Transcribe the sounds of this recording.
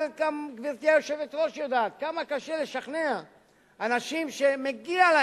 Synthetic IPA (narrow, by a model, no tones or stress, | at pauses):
ɡamɡviʁt̪ijajo̞ʃe̞vet̪ʁo̞ʃjod̪aːt̪kamakaʃe̞le̞ʃaχnea | anaʃimʃe̞meɡiala